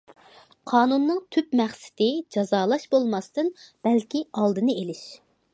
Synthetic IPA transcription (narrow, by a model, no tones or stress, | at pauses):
qʰɑːnunːɨŋt̪ʰypmæχsɪ̥t̪ɪd͡ʒɑzɑːlˠɑʃbolˠmɑst̪ɨnb̥ɛlkʲiɑlˠd̪ɨnɨelɪʃ